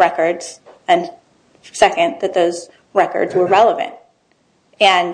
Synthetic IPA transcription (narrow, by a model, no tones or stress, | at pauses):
ɹɛkə˞dz̥ɨ̃n | sɛkɨ̃nðɨt̪̚ðoʊz̥ | ɹɛkə̰˞dzwə˞ɹɛlˠəvɨ̰̃nt̚ | ɨ̃n